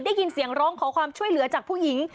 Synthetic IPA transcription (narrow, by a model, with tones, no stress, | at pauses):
daː˥˩ji˧nsi˨˩˦əŋɾɔː˦˥ŋkʰɔː˩˦kʰwaː˧mt͡ɕʰu˥˩əjlɯ˩˦ɐt͡ɕaː˨˩k̚pʰuː˥˩ji˩˦ŋ